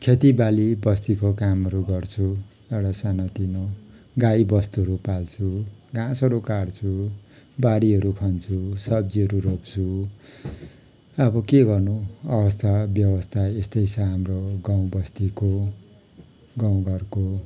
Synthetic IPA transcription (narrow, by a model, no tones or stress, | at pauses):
kʰet̪ibalibʌst̪ikokamɦʌɾuɡʌrt͡sʰu | eɽasanʌt̪ino | ɡaibʌst̪uɦʌɾupalt͡sʰuɡãsʌɾukart͡sʰu | baɽiɦʌɾukʰʌnt͡sʰusʌb̚d͡ziɦʌɾuropt͡sʰu | ʌbʌkeɡʌrnuʌbʌst̪ʰabjʌbʌst̪ʰaest̪ʌjsʰʌ̃ɦamroɡaw̃bʌst̪iko | ɡaw̃ɡʌrko